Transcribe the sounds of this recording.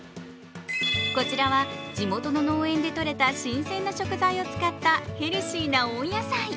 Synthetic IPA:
ko̞t͡ɕiɾaβad͡ʑimo̞t̪o̞no̞noːẽ̞nd̪e̞t̪o̞ɾe̞t̪aɕĩɰ̃sẽ̞nːaɕo̞kɯ̟zaio̞t͡sɨ̥kat̪ːahe̞ɾʲiɕiːnaõɰ̃jasai

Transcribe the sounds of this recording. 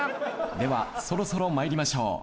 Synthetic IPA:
d̪e̞βa̰so̞ɾo̞so̞ɾo̞maeɾʲimaɕo̞̰ː

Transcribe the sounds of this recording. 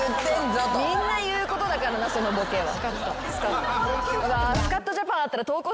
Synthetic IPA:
t̪ːeamĩnnːajɯ̟ːko̞t̪od̪akaɾanaso̞no̞bo̞keːβa̰a | sɨ̥ka | ɡasɨ̥kat̪ːaʑapãɰ̃at̪ːaɾat̪o̞ːko̞ː

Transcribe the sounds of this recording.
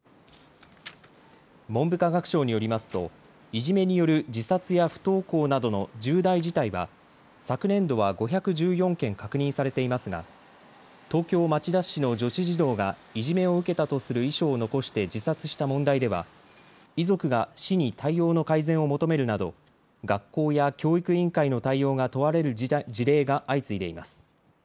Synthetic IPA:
mõ̞mbɯ̟kaɡakɯ̟̥ɕo̞ːɲ̟ijo̞ɾʲimasɨ̥t̪o̞̰ | iʑime̞ɲ̟ijo̞ɾɯ̟d͡ʑisat͡sɨjaɸɯ̟̥t̪o̞ːko̞ːnad̪o̞no̞d͡ʑɨːd̪aid͡ʑit̪aiβa̰ | sakɯ̟nẽ̞nd̪o̞β̞aɡo̞çʲakɯ̟ʑɨːjõ̞ŋkẽ̞ŋkakɯ̟ɲ̟ĩsaɾe̞t̪e̞imasɨɡa̰ | t̪o̞ːkʲo̞ːmat͡ɕid̪aɕːino̞d͡ʑo̞ɕiʑid̪o̞ːɡa | iʑime̞o̞ɯ̟ke̞t̪at̪o̞sɨɾɯ̟iɕo̞ːno̞ko̞ɕi̥t̪e̞d͡ʑisat͡sɨɕi̥t̪amõ̞nd̪aid̪e̞β̞a̰ | izo̞kɯ̟ɡaɕiɲ̟it̪ʰaijo̞ːno̞kaizẽ̞ɰ̃o̞mo̞t̪o̞me̞ɾɯ̟nad̪o̞̰ | ɡakːo̞ːjakʲo̞ːikɯ̟ĩŋkaino̞t̪aio̞ːɡat̪o̞βaɾe̞ɾɯ̟d͡ʑiɾe̞ːɡaʔait͡sɨid̪e̞ima̰sɨ̥

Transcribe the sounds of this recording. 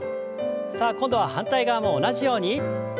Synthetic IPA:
saːkõ̞nd̪o̞βahãnt̪aiɡaːmo̞ːnaʑijo̞ːɲ̟i

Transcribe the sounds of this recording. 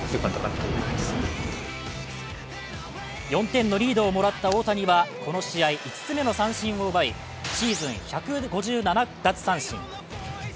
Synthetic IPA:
kãnt̪oat̪t̪eas | jõ̞nt̪ẽ̞nːo̞ɾʲiːd̪o̞ːmo̞ɾat̪ːao̞ːt̪aɲ̟iβako̞no̞ɕiaiʔit͡sɨ̥t͡sɨme̞no̞sãɰ̃ɕĩɰ̃o̞ɯ̟bai | ɕiːzɨ̃ɰ̃çakɯ̟ɡo̞ʑɨːnanad̪at͡sɨ̥sãɰ̃ɕḭ̃ŋ

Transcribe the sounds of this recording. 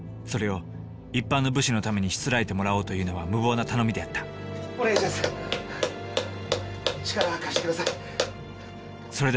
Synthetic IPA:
so̞ɾe̞o̞ | ipːãnːo̞bɯ̟ɕino̞t̪ame̞ɲ̟iɕi̥t͡sɨɾaet̪e̞mo̞ɾao̞ːt̪o̞jɯ̟ːno̞β̞amɯ̟βo̞ːnat̪ano̞mʲid̪e̞at̪ːḁ | oɾeʑas | t͡ɕi̥kaɾaakaɕi̥t̪ekd̪asai | so̞ɾe̞d̪

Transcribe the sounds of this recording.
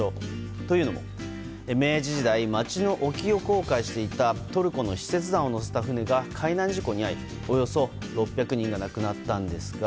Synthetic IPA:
o | t̪o̞jɯ̟ːno̞mo̞̰ | eme̞ːʑiʑid̪aimat͡ɕino̞ʔokʲio̞ko̞ːkaiɕi̥t̪e̞it̪at̪o̞ɾɯ̟ko̞no̞ɕi̥se̞t͡sɨd̪ãɰ̃o̞no̞s̬e̞̥t̪aɸɯ̟ne̞ɡakʰainãɲ̟d͡ʑiko̞ɲ̟iaɾʲḭ | o̞jo̞so̞ | ɾo̞pʲːjakɯ̟ɲ̟ĩŋɡanakɯ̟nat̪ːãnd̪e̞sɨɡa

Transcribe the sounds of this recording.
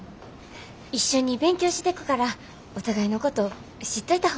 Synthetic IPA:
iɕːo̞ɲ̟ːibẽ̞ŋkʲo̞ːɕi̥t̪e̞kɯ̟̥kaɾa | ot̪aɡaino̞ko̞t̪o̞ | ɕit̪ːoit̪aho

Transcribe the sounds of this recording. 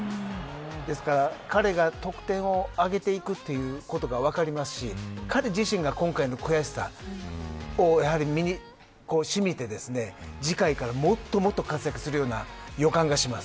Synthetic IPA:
d̪e̞sɨ̥kaɾakaɾe̞ɡat̪o̞kɯ̟̥t̪ẽ̞ɰ̃o̞aɡe̞t̪e̞ikɯ̟t̪ːe̞jɯ̟ːko̞t̪o̞ɡaβ̞akaɾʲimasɨ̥ɕikaɾe̞d͡ʑiɕĩŋɡakõ̞ŋkaino̞ko̟jaɕi̥sa̰ | ojahaɾʲimʲiɲi | ko̞ːɕimʲit̪e̞d̪e̞sɨne̞d͡ʑikaikaɾamo̞t̪ːo̞mo̞t̪ːo̞kat͡sɨjakɯ̟̥sɨɾɯ̟jo̞ːna̰jo̞kãŋɡaɕimasɨ̥

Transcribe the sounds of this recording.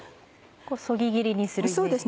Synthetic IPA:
koːso̞ɡʲiɡʲiɾʲiɲ̟isɨɾsoːd̪es

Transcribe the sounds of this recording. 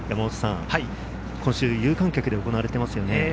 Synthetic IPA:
jamaoso̥sã̰ŋai | kʰõɕɨːjɯ̟ːkãŋkʲakɯ̟d̪e̞o̞ko̞naβaɾe̞t̪e̞masɨjo̞ne

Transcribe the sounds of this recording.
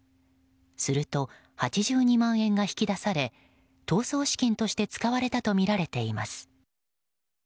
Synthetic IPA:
sɨɾɯ̟t̪o̞ | hat͡ɕiʑɨːɲ̟imãɰ̃ẽ̞ŋɡaçʲi̥kʲid̪asaɾe̞ | t̪o̞ːso̞ːɕi̥kʲĩnt̪o̞ɕi̥t̪e̞t͡sɨ̥kaβaɾe̞t̪at̪o̞mʲiɾaɾe̞t̪e̞ima̰sɨ̥

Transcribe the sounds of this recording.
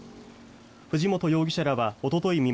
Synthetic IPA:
ɸɯ̟ʑimo̞t̪o̞jo̞ːɡʲi̥ɕaɾaβao̞t̪o̞t̪o̞imʲi

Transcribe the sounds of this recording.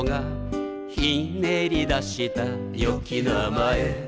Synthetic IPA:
ŋa | hineɾid̪aʃit̪a | jokinamaje

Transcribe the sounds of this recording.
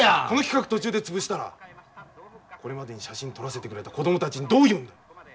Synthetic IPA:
ko̞no̞kʲi̥kakɯ̟t̪o̞t͡ɕɨːd̪e̞t͡sɨbɯ̟ɕi̥t̪aɾa̰ | ko̞ɾe̞mad̪e̞ɲ̟iɕaɕĩnt̪o̞ɾase̞t̪e̞kɯɾe̞t̪ako̞d̪o̞mot̪at͡ɕiɲ̟id̪oːjɯ̟̃nd̪a

